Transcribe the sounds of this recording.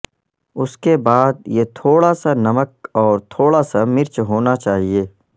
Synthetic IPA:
ʊskebaːd̪jet̪ʰoːɽasanɐmək̚ɔːɾt̪ʰoːɽasamɪɾt͡ʃɦoːnat͡ʃaːɦieː

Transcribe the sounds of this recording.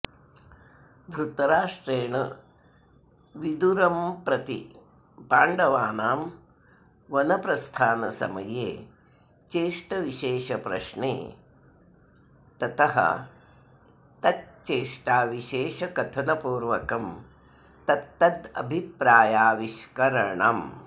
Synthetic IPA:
b̪ʱɾut̪ɐɾaːʂʈɾeːɳɐ | ʋid̪uɾɐmpɾɐt̪ḭ | paːɳɖɐʋaːnaːm | ʋɐnɐpɾɐst̪ʰaːnɐsɐ̰mɐ̰jḛː | t͡ʃeːʂʈɐʋiʃeːʃɐpɾɐ̰ʂɳḛː | t̪ɐt̪ɐɦɐ̰ | t̪ɐt̪̚t͡ʃeːʂʈaːʋiʃeːʃɐkɐt̪ʰɐnɐpuːɾʋɐkɐm | t̪ɐt̪ːɐd̪ɐ̰bʱipɾaːjaːʋiʃkɐɾɐɳɐ̰m

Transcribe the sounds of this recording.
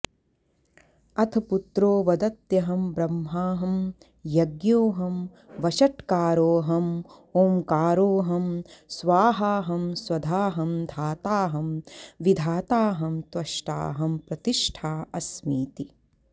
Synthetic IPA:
ɐt̪ʰɐput̪ɾoːʋɐd̪ɐt̪jɐɦɐmbɾɐmːɦaːɦɐm | jɐɡjoːɦɐm | ʋɐʃɐʈkaːɾoːɦɐm | oːmkaːɾoːɦɐmsʋaːɦaːɦɐmswɐd̪ʱaːɦɐmd̪ʱaːt̪aːɦɐmʋid̪ʱaːt̪aːɦɐmt̪wɐʃʈa̰ːɦɐmpɾɐt̪iʂʈʰaːɐsmiːt̪i

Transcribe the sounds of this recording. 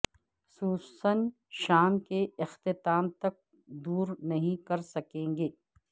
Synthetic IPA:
suːsən | ʃaːmkeɪxt̪ɪt̪aːmt̪ɐk̚ | d̪uːɾnɐɦĩkɐɾsɐkẽːŋɡeː

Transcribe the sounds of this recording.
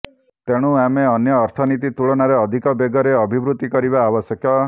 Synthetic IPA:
t̪eɽ̃ũameɔnjɔːɾt̪ʰɔnit̪it̪uɭɔɽ̃aɾeɔd̪ʱikɔbeɡɔɾeɔbʱibɾut̪ikɔɾiβaːbɔsjɔkjɔ

